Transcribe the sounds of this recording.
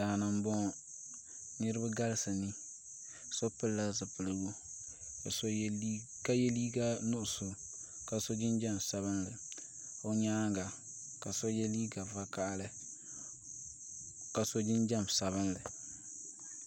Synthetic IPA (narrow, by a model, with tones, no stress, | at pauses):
daː˨nɨ˨m˦bɔ˦ŋ˨ | nɨ˦ɾɨ˦ba˦ɡa˦lɨ˦sɨ˨ni˦ | so˦pɨ˦lːa˦zɨ˨pɨ˨lɨ˨wo˦a˨so˦li˦ | ka˦jɛ˦liː˦ɡa˦nʊ˦ʔʊ˨sʊ˨ | ka˨so˦d͡ʒɪ˦nd͡ʒa˦msa˨βɨ˦nlɨ˨ | ʊ˦ɲaː˦ɡa˨ | ka˨so˦jɛ˦liː˦ɡa˨va˦ka˦lɨ˦ | ka˨so˦d͡ʒɪ˦nd͡ʒa˦msa˨βɨ˦nlɨ˨